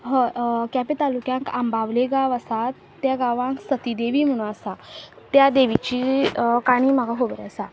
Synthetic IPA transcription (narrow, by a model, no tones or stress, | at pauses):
ɦəkapit̪alukjãŋkambaʋleɡaʋasat̪ːjaɡaʋãŋksət̪id̪eʋiːm̤əɽ̃ũasa | t̪ːjad̪eʋit͡ɕikaɽ̃iːm̤aɡaɦobɾeasa